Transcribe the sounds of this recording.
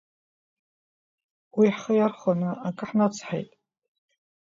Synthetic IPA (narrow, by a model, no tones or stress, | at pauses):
wiħχəjarχanɨakʼɨħnat͡sʰħejtʼ